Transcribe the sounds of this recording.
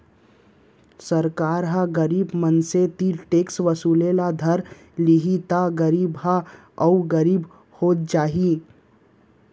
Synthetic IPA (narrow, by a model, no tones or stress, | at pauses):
səɾkaːɾɦaɡəɾiːbmənset̪iʈeːksʋəsulelad̪ʱəɾ | liɦit̪aɡəɾiːbɦa | əʊɡəɾiːb | hoːt̪̚d͡ʒaːɦi